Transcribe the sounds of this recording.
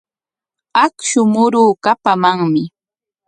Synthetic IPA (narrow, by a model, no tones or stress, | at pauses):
akʃʊmʊɾuːkapamaŋmɪ